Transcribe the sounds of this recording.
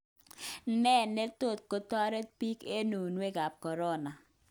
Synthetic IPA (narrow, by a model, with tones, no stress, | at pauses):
nɛ˦˨nːe˦to˦˨t̚ko˦tɔ˦ɾe˦t̚pi˦ke˦nu˨nwe˦ɡa˨p̚kɔ˨ɾɔ˦na˨